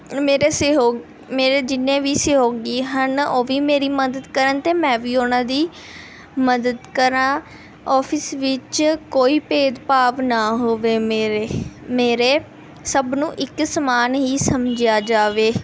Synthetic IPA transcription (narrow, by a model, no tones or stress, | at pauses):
meːɾesɦo | meːɾeːd͡ʒɪnːẽːʋiːseɦoːɡiːɦənoːʋiːmeːɾiːməd̪əd̪kəɾənt̪eːmɛ̃ːʋiːoːnãːd̪iː | məd̪əd̪kəɾãː | ɔːpʰɪsʋɪt͡ʃkoːiːpeːd̪paːʋnaːɦoːʋeːmːɾemeːɾeː | səbnũːʔɪksəmaːnɦiːsəmd͡ʒjaːd͡ʒaːʋeː